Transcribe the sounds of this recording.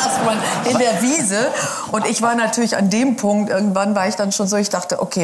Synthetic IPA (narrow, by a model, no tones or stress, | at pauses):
anɪndeːɐviːzə | ʔʊntɪçv̥aːɐnatʰyːɐlɪça̰ndeːmpʰʊŋk̚tʔɪɐɡŋ̩tv̥anvaːɐɪçd̥anʃoːnzoːɪçd̥aχtəʔokʰeː